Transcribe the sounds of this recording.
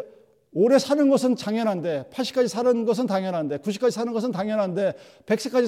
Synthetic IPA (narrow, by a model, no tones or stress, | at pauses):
oɾe̞sʰanɯnɡʌs̬ʰɯnt͡ɕaŋjʌnɦande̞pʰaɭɕ͈i̥k͈ad͡ʑisʰaɾɯnɡʌs̬ʰɯntaŋjʌnɦande̞kuɕ̬ʰi̥k͈ad͡ʑisʰanɯnɡʌs̬ʰɯntaŋjʌnɦande̞ | pe̞ks͈ʰɯ̥k͈ad͡ʑi